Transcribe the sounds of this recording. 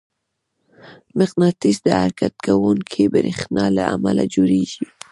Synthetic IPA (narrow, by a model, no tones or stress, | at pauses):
mɪqnɑt̪isd̪əaɾkat̪̚kawuŋkʰibəɾixnɑlaamalad͡ʒoɾeʒi